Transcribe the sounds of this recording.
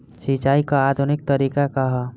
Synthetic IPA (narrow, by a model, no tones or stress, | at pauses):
ʃit͡ʃaːikaad̪ʱunɪk̚t̪əɾiːkakaɦ